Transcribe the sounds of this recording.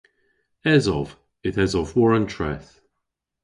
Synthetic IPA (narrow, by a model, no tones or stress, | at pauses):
ɛzɔv̥ | ɪtɛzɔvwɔɹə̃ntʰɹ̥ɛ̰θ